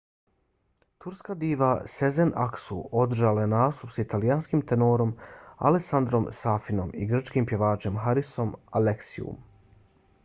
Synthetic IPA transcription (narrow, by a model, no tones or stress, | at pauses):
t̪uɾskad̪iːʋase̞zenaksṵo̞d̪r̩ʒaːlaenaːst̪upsit̪alijanskimt̪enoːɾo̞ma̰leksand̪ɾo̞msaːfino̞miɡr̩t͡ʃkimpje̞ʋaːt͡ʃe̞mxaɾiso̞maleksḭṵm